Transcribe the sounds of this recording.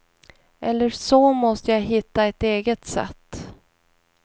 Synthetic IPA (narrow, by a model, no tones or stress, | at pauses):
ʔɛlːəɾʂɔmɔst̪əjaɦɪt̪ːaɛt̪eːɡət̪sɛ̰t̪ː